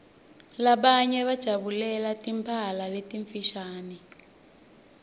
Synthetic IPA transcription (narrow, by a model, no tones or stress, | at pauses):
laɓaɲɛβad̥ʒ̥ʱaβulɛlatimpʰalaletiɱfiʃaːni